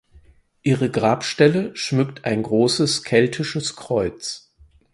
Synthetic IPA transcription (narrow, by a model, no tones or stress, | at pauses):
ʔiːʁəɡʁaːpʃtɛləʃmʏktʰaɪnɡʁoːsəskʰɛltʰɪʃəskʁ̥ɔʏt͡s